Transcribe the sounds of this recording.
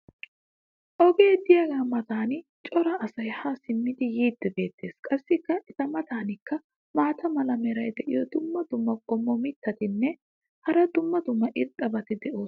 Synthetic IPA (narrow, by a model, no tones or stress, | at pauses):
ʔɔɡeːd̪ɪjɐɡaːmɐt̪aːnt͡ʃʼɔɾɐʔːsɐjhaːsɪmːɪd̪ɪjiːd̪ːɛbe̞ːt̪ːe̞ːskʼɐsːɪkːɐʔɛt̪ɐmɐt̪aːnɪkːɐ | maːt̪ɐmɐlɐmɛɾɐjd̪ɛʔɪjɔd̪ʊmːɐd̪ʊmːɐɡ̥ʼɔmːɔmɪt̪ʰːɐt̪ɪnːɛ | hɐɾɐd̪ʊmːɐd̪ʊmːɐʔɪt̪ʼːɐbɐt̪ɪd̪ɛʔo̞ːs